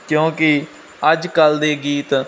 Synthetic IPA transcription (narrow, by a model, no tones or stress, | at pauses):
kjõːkɪ | əd͡ʒkəld̪eːɡiːt̪